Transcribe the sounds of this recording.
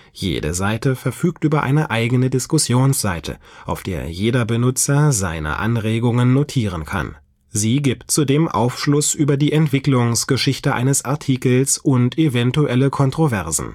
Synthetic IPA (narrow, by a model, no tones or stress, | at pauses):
jḛːdə̰zaɪtəfɛɐfyːktʔyːbɐʔa̰ɪnəʔaɪɡənədɪskʊsjoːnsz̥aɪtʰə̰ʔaʊfd̥eːɐjeːdɐbənʊt͡sɐza̰ɪnə̰ʔa̰nʁeːɡʊŋənːotʰiːʁ̞ənkʰa̰n | ziːɡiptt͡sudeːmʔa̰ʊfʃlʊsʔyːbɐdiːʔɛntv̥ɪklʊŋsɡ̥əʃɪçtəʔa̰ɪnəsʔaɐtʰiːkl̩sʔʊntʰevɛntuʔɛləkʰɔntʁ̥ovɛɐzn̩